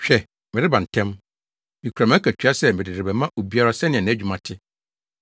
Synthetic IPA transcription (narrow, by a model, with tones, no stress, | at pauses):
ɕᶣɛ˨ | mɪ̃˨ɾɪ˦bã˨n̩˨tʰɛ̃˦m | mĩ˨kʰu˨ɾa˨m̃˦æ˦kʰa˨t͡ɕᶣa˦sɛ˦mɪ̃˨dɪ˨dɪ˨bɛ˨mã˦ʔo˨bi˦a˦ɾa˦sɛ˦nɪ̃˨ɛ˨ñ˨˦d͡ʑᶣu˨mã˨tʰɪ˦